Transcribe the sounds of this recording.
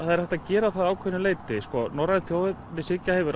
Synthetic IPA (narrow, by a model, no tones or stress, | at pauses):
aðɛɾ̥θɛht̪aðcɛːɾaθaðaːwkʰvœnʏleːjt̪ɪskɔnɔɾanθjoːwhɪt̪ːɪsɪcːahɛvʏɪɾ